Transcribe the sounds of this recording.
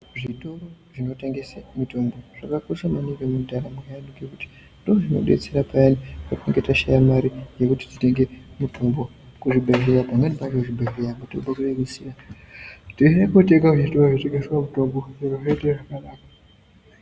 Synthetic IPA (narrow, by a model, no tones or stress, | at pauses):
ʐitoro | ʐino̞te̞ŋɡe̞samitombo̞ʐ̥akakosamanikemundʱaɾamejaniɡekuti̥ | ndooʐino̞̰ɗe̞̰t͡se̞ɾapajanipatueŋɡetaʃajamaɾije̞kuti̥tite̞ŋɡemuto̞mbo̞ | kuʐibʱeɦiɾapaŋɡanipaɡekuʐibʱeɦijapatouɓakuɗemisira | tinekoteŋɡauitoaʐiteŋɡeswamutomboiroʐeteʐakanaːka